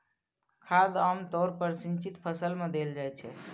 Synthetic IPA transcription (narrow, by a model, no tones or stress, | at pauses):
kʰad̪amt̪ɔɾpəɾsint͡ʃit̪pʰəsəlmed̪eld͡ʒajt͡ʃʰɛ̰